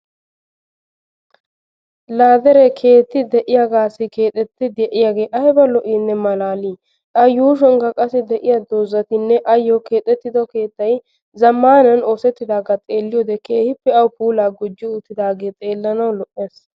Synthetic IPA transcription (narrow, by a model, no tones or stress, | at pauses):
laːd̪ɛɾɛkʰe̞ːt̪ːɪd̪ɛʔɪjaɡaːsɪke̞ːt̪ʼɛt̪ːɪd̪jɛʔɪjaɡe̞ːʔɐjbɐlɔʔiːnːɛmɐlaːliː | ʔɐjuːʃ̬ɔŋɡɐkʼɐsɪd̪ɛʔɪjad̪oːzːɐt̪ɪnːɛʔɐjːɔke̞ːt̪ʼːɛt̪ːɪd̪ɔke̞ːt̪ːɐj | zɐmːaːnɐnoːsɛt̪ːɪd̪aːɡɐt͡s̪ʼeːlːɪjɔd̪ɛkeːhɪpːɛɐwpuːlaːɡʊd͡ʒːɪʊt̪ːɪd̪aːɡe̞ːt͡s̪ʼeːlːɐnɐwlɔʔeːs